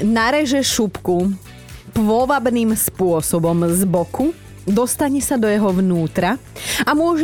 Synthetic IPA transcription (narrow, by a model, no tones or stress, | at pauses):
naɾɛʒɛʃupku | pʋɔʋabniːmspʊɔsɔbɔmzbɔkʰu | d̪ɔst̪aɲɛsad̪ɔjɛɦɔʋnuːt̪ɾaamʊɔʒ